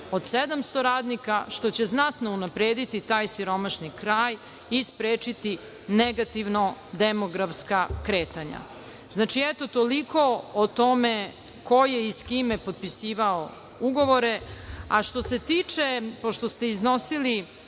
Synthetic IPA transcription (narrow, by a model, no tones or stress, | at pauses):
o̞d̪sed̪amst̪o̞ɾaːd̪nikaʃt̪o̞t͡ɕe̞znat̪no̞unapɾeːd̪it̪it̪aːjsiɾo̞maʃnikɾaːj | ispɾeːt͡ʃit̪i | neɡat̪iʋno̞d̪emoɡɾafskakɾeːt̪aɲa̰ | znaːt͡ʃiɛt̪o̞t̪o̞likʰo̞ot̪o̞me | ko̞jeiskimepo̞d̪̚pisiːʋao | uɡo̞ʋo̞ɾeaʃt̪o̞se̞t̪iːt͡ʃepoʃt̪o̞st̪e̞izno̞sili